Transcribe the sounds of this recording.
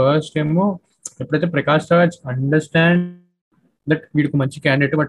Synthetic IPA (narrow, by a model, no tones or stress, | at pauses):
ɐsʈemu | epːɐɽɐjt̪epɾɐkaːst̪aːsɐɳɖɐɾsʈæːɳ | d̪ɐʈʋiɽukːumɐɲt͡ʃikaːɳɖeʈːubɐʈ